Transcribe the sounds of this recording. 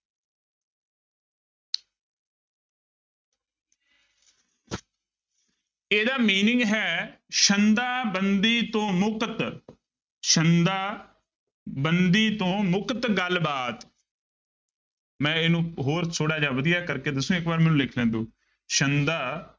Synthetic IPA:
eːd̪aːmiːnɪŋɡɦɛː | ʃənd̪aːbənd̪iːt̪õːmʊkət̪ | ʃənd̪aː | bənd̪iːt̪õːmʊkt̪ɡəlbaːt̪ | mɛ̃ːɪnũːɦoːɾsʰoːɽaːd͡ʒaːʋəd̪ɪjaːkəɾkeːd̪əsũːɪkbaːɾmɛ̃ːnũːlɪkʰlɛ̃ːnd̪õː | ʃənd̪aː

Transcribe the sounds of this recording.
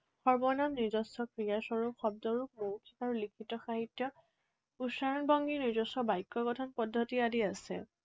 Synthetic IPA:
xɔɹbɔnamnizɔsɔkɹijasɔɹupxɔb̚dɔɹuk̚mowtʰikaɹulikʰitɔxaɦitjɔ | usaɹɔnbɔŋɡinizɔsɔbajkːɔɡɔtʰɔnpɔdʱːɔtiadiasɛ̰

